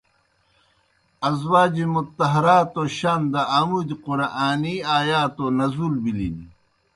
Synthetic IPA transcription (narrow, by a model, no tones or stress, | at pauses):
ɐzwaːd͡ʑimut̪ːɐɦɐɾaːt̪oɕand̪ɐaːmud̪iquɾaʔaːniaːjaːt̪onɐzulbilḭni